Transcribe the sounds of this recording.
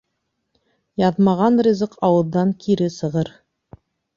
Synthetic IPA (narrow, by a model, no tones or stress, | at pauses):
jɑðmɑʁɑnrʲizɤqɑwɤ̆ðːɑŋkʰiɾɘsɤ̆ʁɤɾ